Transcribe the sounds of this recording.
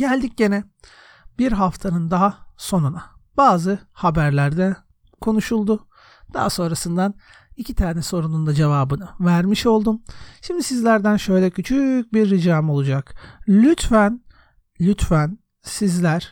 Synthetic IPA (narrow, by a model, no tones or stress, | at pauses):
ɟælʲd̪ic̚ɟe̞nɛ | biɾɦaft̪ʰanɯnd̪aɦaso̞nunab̥aːzɯhabæɾlʲæɾd̪ɛ | kʰo̞nuʃulˠd̪ʊ | d̪̥a̰haso̞nɾasɯnd̪an | icʰit̪ʰaːnɛso̞ɾunund̪ad͡ʒe̞vaːbɯnɯvæɾmiʃo̞lˠd̪umʃimd̪isizlʲæɾd̪ænʃø̞jlʲɛcʰyt͡ʃʰyc̚biɾːid͡ʒaːmo̞lˠud͡ʒaklʲyt̪fæn | lʲyt̪fæn | sizlʲæɾ̥